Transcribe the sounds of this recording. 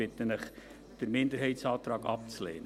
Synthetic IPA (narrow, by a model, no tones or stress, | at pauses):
ɪt̪ənəχ | d̥əɾmɪndəɾɦɛɪtsɑːtɾɑːɡɑ̰p̚t͡slḛːnə